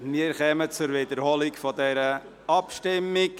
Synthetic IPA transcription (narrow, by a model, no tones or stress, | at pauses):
miːəɾχɛːmət͡sʊɾvedəɾholɪkfɔdɛɾə | ɑpʃtɪmɪk